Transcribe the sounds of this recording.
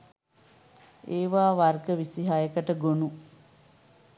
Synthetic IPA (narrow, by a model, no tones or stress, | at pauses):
eːʋaːʋarɡəʋisiɦajəkəʈəɡonu